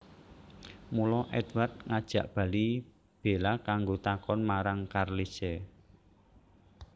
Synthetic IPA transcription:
mulɔʔɛt̪ward̪̚ŋad̥ʒ̥ä̤ʔb̥ä̤li | b̥e̤lakaŋɡot̪akɔnmaɾaŋkarlise

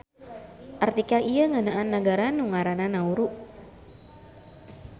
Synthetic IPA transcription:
ʔart̪ikalijəŋanaʔanːəɡaɾanuŋaɾananauɾuʔ

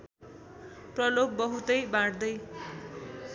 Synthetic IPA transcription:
prʌloɡ̚bʌɦut̪ʌjbãɽd̪ʌj

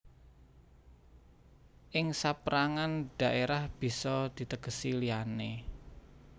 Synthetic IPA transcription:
ʔɪŋsapɾaŋand̥ä̤ʔeɾahb̥i̤sɔd̪̥i̤t̪əɡ̥ə̤siliane

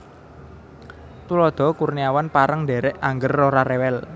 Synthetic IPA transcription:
t̪ulɔd̪̥ɔ̤kurniawanpaɾəŋde̤ɾɛʔaŋɡərːoɾaɾewɛl

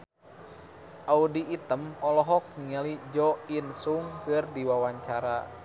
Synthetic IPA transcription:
ʔaudiʔːt̪əmɔlɔɦɔk̚niŋalid͡ʒɔinsuŋkɨrdiwawaɲt͡ʃaɾa

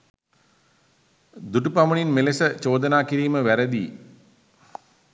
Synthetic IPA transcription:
d̪uʈupaməɳinmelesət͡ʃoːd̪ənaːkiɾiːməʋæɾəd̪ḭː

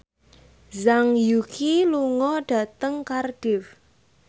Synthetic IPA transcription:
zaŋjukʰiluŋɔɖ̥a̤t̪əŋkarɖ̥ɪf

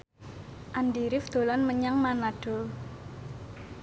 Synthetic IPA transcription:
ʔandiɾɪfd̪̥o̤lanməɲaŋmanaɖ̥o̤

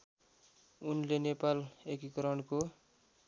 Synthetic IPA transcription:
unlenepalekikʌɾʌɳko

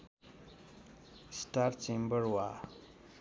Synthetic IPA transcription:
sʈaɾt͡ʃembəɾwa

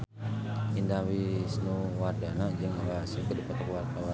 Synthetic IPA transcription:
indawisnuwardanad͡ʒəŋalasikədupat̪əkwart̪awa

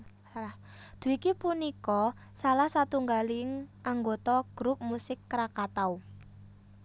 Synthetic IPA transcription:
d̪̥ṳikipunikɔ | salahsat̪uŋɡalɪŋaŋɡot̪ɔɡ̥ɾup̚musɪkːɾakat̪au

